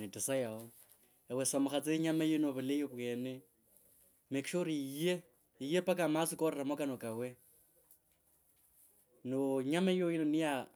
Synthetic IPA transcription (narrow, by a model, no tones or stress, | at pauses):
nɪtʼɪsajaɔ | ɛwɛsamʊχat͡sʼeɲamajɪnoβʊlejoβwɛːnɛ | mekʼʃoɾiije | ijepʼakʼamasɪkʼɔrɛramɔkʼanɔkʼawɛ | noɲamaojɪnɔnɪja